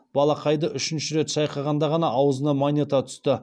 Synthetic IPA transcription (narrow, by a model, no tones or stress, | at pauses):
b̥ɑlˠɑqʰɑjd̪əʔʏʃɪnʃɪɾe̞t̪ʃɑjqɑʁɑnd̪ɑʁɑnɑʔːwəzənɑmonʲet̪ɑt̪ʰʏ̥st̪ɪ